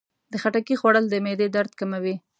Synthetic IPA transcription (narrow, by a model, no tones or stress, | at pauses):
d̪əxaʈakixwaɽəld̪əmed̪ed̪aɾd̪̚kamawi